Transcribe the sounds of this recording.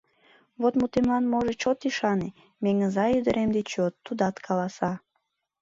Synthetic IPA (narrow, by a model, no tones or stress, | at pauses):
βot̪mut̪emlɑnmoʒet͡ɕot̪iʃɑne | meŋəzɑjyd̪əɾʔemd̪et͡ɕot̪ːud̪ɑt̪kʰɑlɑsɑ